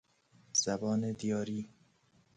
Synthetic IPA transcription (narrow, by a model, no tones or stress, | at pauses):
z̥æbɒːned̪ijɒːɾiː